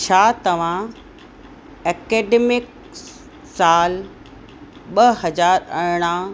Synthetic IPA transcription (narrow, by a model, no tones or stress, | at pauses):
t͡ɕʰaːt̪ɐʋ̤ã | eːkeːɖeːmɪk | saːl | ɓɐɦɐd͡ʑaːɾɐɾɽ̃ã